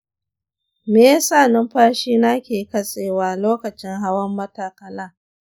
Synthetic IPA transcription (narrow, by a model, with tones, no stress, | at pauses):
meː˨ja˦saː˦˨nɪ˦mɸaː˦ʃiː˦na˦kʲeː˨kɐ˦sʼeː˨waː˦loː˦kɐ˨t͡ʃɪ˦ŋɦa˦wɐ˦mːɐ˦taː˨kɐ˨laː˦